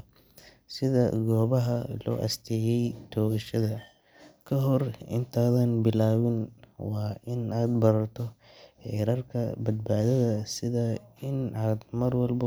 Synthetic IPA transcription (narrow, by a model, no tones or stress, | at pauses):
sɪðɐ̰ɡɔːβɐɦɐlɔ̰ːʔɐ̰st̪ʰɛːjɛjt̪ʰɔːɣɐʃɐðɐ | kʰɐɦɔrɪ̰nt̪ʰaːðɐnbɪlaːwɪnwɑːɪnaːd̪bɐɾɐrt̪ʰɔ | ħɛɾɐrkʰɐ̰bɐd̪baːðɐðɐsɪðɐɪnaːd̪mɐrwɐlbɐ